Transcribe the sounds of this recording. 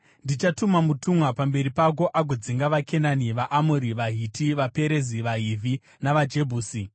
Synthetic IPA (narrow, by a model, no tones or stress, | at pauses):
ndit͡ʃatumamutumwapambe̞ɾipak̬o̞ʔaɡʱod͡ziŋɡaʋakʰe̞naniʋaʔamuɾiʋaɦitʰiʋape̞ɾe̞ziʋaɦiːvʱi | naʋad͡ʒe̞bʱuːsi